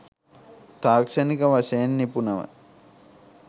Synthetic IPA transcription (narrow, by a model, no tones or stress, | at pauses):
t̪aːkʂɐnikɐʋɐʃɐːnːipunɐʋɐ̰